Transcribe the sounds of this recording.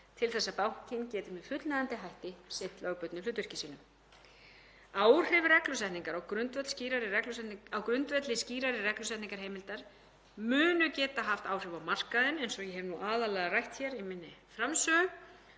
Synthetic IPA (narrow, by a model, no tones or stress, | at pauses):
t̪ʰɪlθɛsːapawhcɪncɛːt̪ʏmɛðfʏt̪laðant̪ɪɦajht̪ɪsɪnt̪lœːɣpœt̪nʏlʏːt̪vʏr̥cɪsiːnʏm | aːw̥r̥ɪvrɛklʏsɛht̪niŋkaɾɔwkɾʏnt̪vɛt̪lsciːɾaɾɪrɛklʏsɛawkɾʏnt̪vɛt̪lɪsciːɾaɾɪrɛklʏsɛht̪niŋkaɾ̥ɦeːjmɪlt̪aɾ̥ | mʏːnʏcɛːt̪aɦaft̪aːwr̥ʏvawmar̥kaðɪnejnsɔɣjɛɦɛvnuʔaːðalɛːɣarajht̪çɛɾɪmɪnːɪfɾamsœːʏ